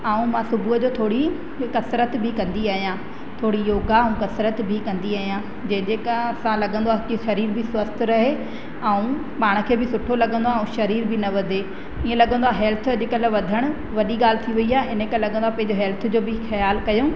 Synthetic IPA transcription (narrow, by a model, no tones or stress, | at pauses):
aːũmãsʊbʱuɦəd͡ʑoːt̪ʰoːɽi | kɐsɾət̪bɪkɐ̃nd̪iaːɦijãː | t̪ʰoːɽijoːɡaũkɐsɾət̪bʱɪkɐ̃nd̪iaːɦijãː | d͡ʑɐ̃ɦɪ̃d͡ʑekɐsãlɐɠə̃nd̪oaːɦkʃɐɾiːɾbʱɪswɐst̪ɾɐɦe | ɐũ | paːɽ̃ə̆kʰeːbɪsʊʈʰolɐɠə̃nd̪owaːɐũʃɐɾiːɾbʱɪnɐʋɐd̪ʱe | iːẽlɐɠə̃nd̪oaɦɛːlt̪̆ʰd͡ʑɪkɐlʋɐd̪ʱəɽ̃ʊ̆ | ʋɐɗiɡaːl̤ɪt̪ʰiʋɐiaːɪnəkɐlɐɡə̃nd̪oapɐ̃ɦɪ̃ɲ̆d͡ʑoɦɛːlt̪ʰd͡ʑoːbɪxɐjaːlkɐjũ